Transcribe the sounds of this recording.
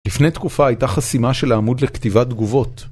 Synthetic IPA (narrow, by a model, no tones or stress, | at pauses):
lifne̞jt̪kufaːjt̪aχasimaʃe̞laːmud̪le̞kt̪ivad̪ɡuvo̞t̪